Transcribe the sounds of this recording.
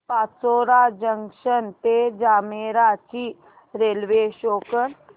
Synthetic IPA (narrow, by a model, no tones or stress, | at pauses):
paːsoːɾad͡ʒəŋʃənt̪ed͡ʒaːmeɾat͡ʃi | ɾeːlʋeʃoːkən